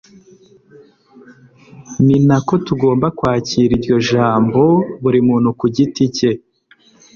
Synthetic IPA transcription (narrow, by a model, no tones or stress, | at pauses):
ninako̞tuɡo̞ːmbakwaːciːɾiɾɟo̞ʒaːmbo̞βuɾimuːn̥hukuɟitice̞